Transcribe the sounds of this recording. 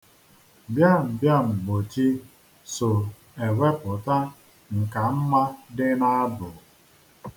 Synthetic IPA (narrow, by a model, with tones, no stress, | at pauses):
bja˦m̩˨bja˦ŋ͡m̩˨ɡ͡bo˨t͡ʃi˦ | sʊ˨ | e˨we˦pʊ˨ta˦ | ŋ̩˨ka˨m̩˦ma˦dɪ˦na˦a˦bʊ˨